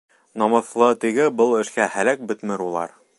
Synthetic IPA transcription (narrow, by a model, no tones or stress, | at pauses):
nɒmɤ̆θlˠɤt̪ɘ̆ɡɘbɤlˠɘ̆ʃkæhælæk̚bɵ̆t̪mɘɾulˠɑ̰ɾ